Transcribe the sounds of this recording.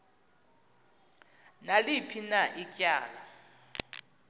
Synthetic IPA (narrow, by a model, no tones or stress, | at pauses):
nalipʰinaʔicʼja̰ːla